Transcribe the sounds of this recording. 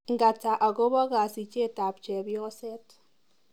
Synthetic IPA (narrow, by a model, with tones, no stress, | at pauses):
ŋɡa˨ta˨ʔa˨ko˦bɔ˦ka˨si˨t͡ʃe˦ta˨pt͡ʃɛ˨bjɔ˦sɛ˦t